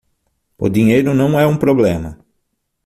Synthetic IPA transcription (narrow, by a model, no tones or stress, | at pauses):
ʊ̰d̪ĩɲejɾʊnɐ̃w̃ɛũpɾoblẽmɐ